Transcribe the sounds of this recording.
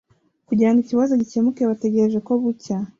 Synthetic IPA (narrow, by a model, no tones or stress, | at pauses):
kuɟaaniciβazoɟicemukeβate̞ɟe̞ɾeʒe̞ko̞βuca